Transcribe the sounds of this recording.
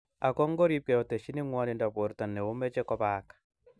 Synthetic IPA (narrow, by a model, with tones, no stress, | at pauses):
a˨kɔ˦ŋɡɔ˦ɾi˦p̚kɛ˨ɔ˨tɛ˨ʃi˦ni˦ŋwa˦ni˨nda˨βo˨ɾta˨nːɛ˨o˦mɛ˦t͡ʃɛ˦kɔ˦βaːkḁ